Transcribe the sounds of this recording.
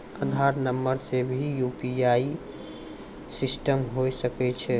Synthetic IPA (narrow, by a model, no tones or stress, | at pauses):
əd̪ʱaɾnəmːəɾsebʱijupiai | sisʈəmɦojsəkɛt͡ʃʰɛ